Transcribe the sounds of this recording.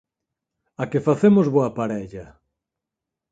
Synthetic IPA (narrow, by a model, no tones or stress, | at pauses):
akɪfaθemʊzβoɐpaɾɛʎɐ